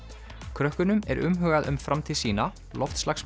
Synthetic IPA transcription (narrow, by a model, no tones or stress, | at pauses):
kʰɾœhkʏnʏmɛ̰ɾʏmɦœːɣaðʏmfɾamt̪ʰiðsiːna | lɔft̪slaxs